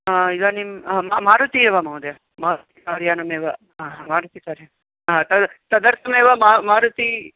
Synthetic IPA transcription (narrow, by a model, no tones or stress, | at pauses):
aiɡ̪ɐnimmamaːɾut̪ieʋɐmɐwd̪jɐ | maːɾt̪ikaːɾjaːnɐmeːʋɐ | aɦmaːɾut̪ik̪aːɾje | ɦãt̪ɐt̪ɐd̪ɐɾt̪ʰɐmeːʋɐmaːmaːɾut̪i